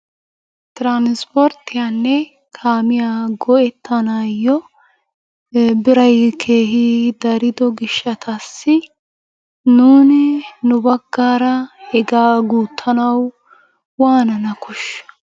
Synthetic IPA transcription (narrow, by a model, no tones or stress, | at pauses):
t̪ɾanspɔɾt̪ɪjaːnːɛ | kʰaːmɪjaːɡɔʔɛt̪ʰːɐnaːjːɔ | bɪɾɐjkʰe̞ːɦid̪ɐɾɪd̪ɔɡɪʃːɐt̪ʰɐsːɪ | nuːnɪnʊbɐɡːaːɾɐhɛɡaːɡuːt̪ʰːɐnɐw | waːnɐnɐkʊʃːɐ̥